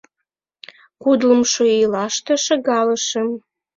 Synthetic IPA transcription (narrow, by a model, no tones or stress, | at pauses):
kud̪ləmʃoilɑʃt̪ĕʃə̆ɣɑləʃəm